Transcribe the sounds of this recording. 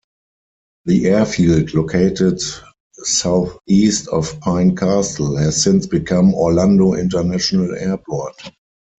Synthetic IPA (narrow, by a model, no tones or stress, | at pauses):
ðiʔɛɐfiːldlokʰeɪtɪt | saʊθiːstɔfpʰãɪ̃nkʰasəl̩hɛzsɪ̃nsb̥ikʰãmɔlãndoʔɪ̰̃ntə˞næʃonəlɛɐpʰɔt